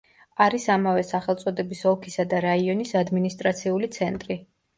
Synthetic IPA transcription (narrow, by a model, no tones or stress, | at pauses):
aɾisamavɛsaχɛlˠt̪sʼɔd̪ɛbisɔkʰisad̪aɾaiɔnisad̪minist̪ʼɾat̪sʰiulit̪sʰɛnt̪ʼɾi